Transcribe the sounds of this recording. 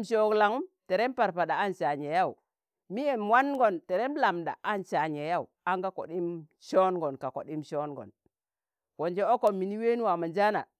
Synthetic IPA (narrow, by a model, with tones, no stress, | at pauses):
mʃo˨kla˨ŋu˦mte˨ɾe˦mpa˨ɾpa˨ɗa˨a˦nt͡ʃa˨ɲe˨ja˦˨u˨ | mi˦je˨mwa˦n˦ɡo˨nte˨ɾe˦m˦la˨mda̰˨ʔa˦nt͡ʃa˨ɲe˨ja˦u˨a˦ŋɡa˦ko̰˨ɗi˦mʃo˦nɡo˨nka˨ko̰˨ɗi˦mʃo˦nɡo̰˨n | ko˨nd͡ʒe˦o˦ko˨mːi˨ni˦we˦ni˦wa˨ma˨nd͡ʒa˦na̰˨